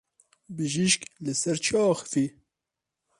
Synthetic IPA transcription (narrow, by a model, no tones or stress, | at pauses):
bɨʒiʃklɨsɛɾt͡ʃʰiɑːxɨ̥fi